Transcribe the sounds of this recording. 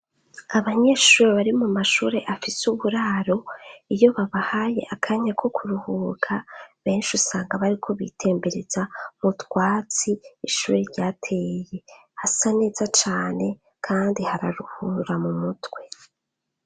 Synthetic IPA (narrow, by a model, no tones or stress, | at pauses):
aβaɲe̞ʃuːɾeβaɾimumaʃuːɾe̞ʔafisuβuɾaːɾo̞ijo̞βaβahaːje̞̰ʔakʰaɲakʰo̞kʰuɾuhukʰaβe̞ːnʃusaːŋɡaβaɾikʰo̞βḭtʰe̞ːmbe̞ɾezamutwaːt͡siiʃuːɾeɾɟaːtʰe̞ːje̞ | hasane̞ːzat͡ʃaːne̞ | kʰaːndihaɾaɾuhuɾamumutwe̞